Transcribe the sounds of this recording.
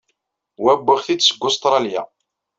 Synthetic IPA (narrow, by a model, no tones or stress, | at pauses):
wæbːəʁθid̪səɡːʊst̪ɾˤɑlja̰